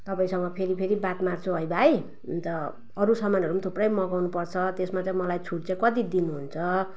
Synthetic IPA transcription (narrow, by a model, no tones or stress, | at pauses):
t̪ʌpaĩsʌŋɡʌpʰeɾipʰeɾibat̪mart͡sʰoɦʌjbʱaj | nt̪ʌː | ɾusʌmanʌɾumat̪ʰuprʌjmʌɡawnupʌrt͡sʰʌt̪esmat͡sʌj̃mʌlajt͡sʰuɽt͡sʰʌ̃kʌt̪id̪inuɦunt͡sʰʌ